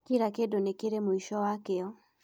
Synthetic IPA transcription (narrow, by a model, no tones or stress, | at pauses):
kiɾakedonekeɾemoiʃɔwakeɔ